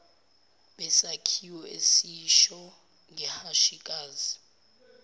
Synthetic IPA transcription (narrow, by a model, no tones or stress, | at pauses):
ɓɛsakʰiwɔḛsiʃɔ | ŋʱɛhaʃikʼaːzi